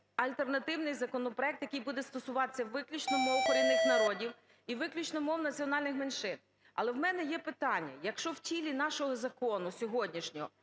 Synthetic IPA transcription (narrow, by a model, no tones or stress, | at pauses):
ɐlʲt̪ernɐt̪ɪwnɪjzɐkɔnɔpɾɔɛk̚t̪jɐkɪjbud̪ɛst̪ɔsʊʋɑt̪ɪ̥sʲːɐʋɪklʲut͡ʃnɔmɔwxɔɾʲinɪxnɐɾɔdʲiw | iʋɪklʲut͡ʃnɔmɔwnɐt͡sʲiɔnɑlʲnɪxmenʃɪn | ɐ̰lˠɛwmɛnɛjɛpɪt̪ɑnʲːɐ̰jɐkʃt͡ʃɔwtʲilʲinɑʃɔɦɔzɐkɔnʊsʲɔɦɔdʲnʲiʃnʲɔɦɔ